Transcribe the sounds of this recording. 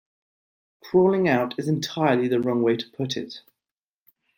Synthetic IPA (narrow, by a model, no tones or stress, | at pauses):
kʰɹ̥ɔːlɪ̃ŋaʊtʰɪzɪ̃ntʰaɪəliðəɹɒ̃ŋweɪtʰə̥pʰʊtʰɪ̰t